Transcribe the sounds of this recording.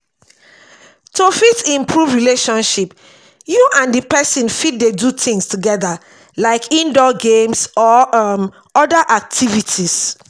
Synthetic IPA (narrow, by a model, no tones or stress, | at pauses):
tʰofitĩmpʰɹuvɹileʃɔ̃nʃip | juʔãndipɛsĩnfit̚dedutʰĩŋstuɡɛða | laɪkʰĩndɔɡẽmsɔm | ɔdaʔak̚tʰivitʰis